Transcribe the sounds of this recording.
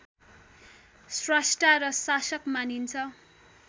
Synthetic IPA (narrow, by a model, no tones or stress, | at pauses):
srasʈaɾʌsasʌkmanint͡sʰʌ